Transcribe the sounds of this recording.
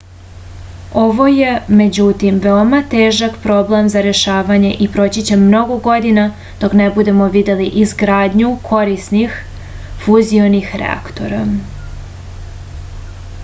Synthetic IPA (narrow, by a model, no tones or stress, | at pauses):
o̞ʋo̞je̞me̞d͡ʑut̪imʋeomat̪e̞ːʒakpɾo̞ble̞mzaɾe̞ʃaːʋaɲe̞ʔipɾo̞t͡ɕit͡ɕemno̞ɡo̞ɡo̞d̪ina | d̪̥o̞knebud̪e̞mo̞ʋid̪e̞liʔizɡɾaːd̪ɲukʰo̞ɾisnix | fuzio̞nixɾḛa̰kt̪o̞̰ɾa